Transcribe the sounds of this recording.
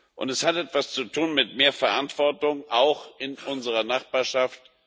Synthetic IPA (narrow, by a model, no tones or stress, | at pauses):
ʔʊ̰ntɛshatʔɛtv̥ast͡sutʰuːnmɪtmeːɐfɛɐʔantv̥ɔɐtʊŋʔaʊxɪnʔʊnzəʁɐnaχb̥aːɐʃaft